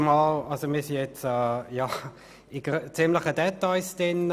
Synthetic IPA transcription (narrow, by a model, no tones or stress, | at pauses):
mɑːlɑlsomiːɐsijɛt͡sɛːjɑː | ɪɡ̥t͡sɪmləχədɛtaɪsd̥ɪn